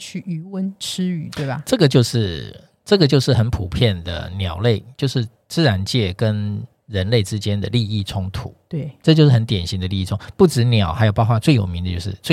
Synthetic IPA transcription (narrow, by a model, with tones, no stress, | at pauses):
t͡ɕʰy˥˩y˧˥wə˦˥nʈ͡ʂ̩ʰ˥y˨˩t̪we˥˩ɪbɐ̰˨˩ʈ͡ʂɤ˥˩ɡə˩t͡ɕjo˥˧ʊʂɻ̩˥˩ | ʈ͡ʂɤ˥˩ɡə˩t͡ɕjo˥˧ʊʂɻ̩˥˩xə˧˦npʰu˨˩pʰjɛ˥˩nd̪ə̰˩njɑ˨˩ʊle˥˩ɪt͡ɕjo˥˧ʊʂɻ̩˥˧ | t͡sɹ̩˥ɻa˧˦nt͡ɕjɛ˥˩kə˦˥n | ɻə˧˦˥nle˥˩ɪʈ͡ʂɻ̩˥t͡ɕjɛ˥nd̪ə̰˨li˥˧i˥˩ʈ͡ʂʰʊ˥ŋt̪ʰṵ˨˩˦t̪we˥˩ʈ͡ʂɤ˥˧t͡ɕo˥˧ʊʂɻ̩˥˩xə˧˦nt̪jɛ˨˩nɕi˧˥ŋd̪ə˧li˧i˥˩ʈ͡ʂʰʊ˥ŋpu˥˩ʈ͡ʂɻ̩˧˥njɑ˨˩˦ʊxa˧˥jo˨˩pɑ˥˧ʊxwa˥˧t͡swe˥˩ɪjo˨˩mi˧˦d̪ə˧t͡ɕjo˥˧ʊʂɻ̩˥˧t͡swe˥˧